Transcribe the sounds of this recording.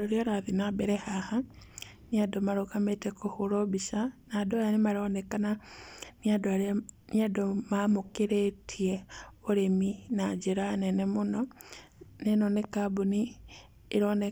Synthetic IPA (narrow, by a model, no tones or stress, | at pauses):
ɾoɾjoɾaðinabeɾehaha | niadomaɾokametekohuɾobiʃanadojanemaɾonekana | adniadomamukiɾetʰieoɾeminad͡ʒiɾanenemuno | nenonekabuniː | ɾone